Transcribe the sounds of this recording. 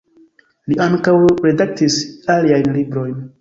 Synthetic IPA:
liaŋkawɾe̞dak̚tisaliajnlibɾo̞jn

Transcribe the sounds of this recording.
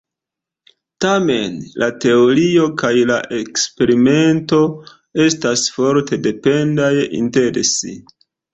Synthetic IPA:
tame̞nlʔate̞o̞ɾio̞kajlaʔekspe̞ɾime̞nto̞ | e̞stasfo̞ɾte̞de̞pe̞ndajʔḭnte̞ɾesḭ

